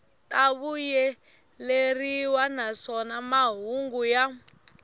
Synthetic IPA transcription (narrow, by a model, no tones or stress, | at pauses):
tʼaβujɛ | leriwanasɔnamaɦuŋɡuja